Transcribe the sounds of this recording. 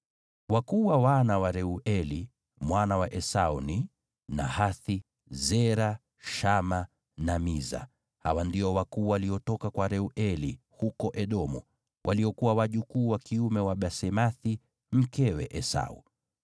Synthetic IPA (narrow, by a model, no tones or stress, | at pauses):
wakuːwawanawaɾɛuʔɛli | mwanawaʔɛsauni | na̰haθi | zɛɾa | ʃama | namiza̰ | ha̰wandiɔwakuːwaliɔtɔkakwaɾɛuʔɛli | hukɔʔɛɗɔmṵ | wʔaliɔkuwawaʄukuːwakiumɛwaɓasɛmaθi | m̩kɛwɛ̰ʔɛsa̰u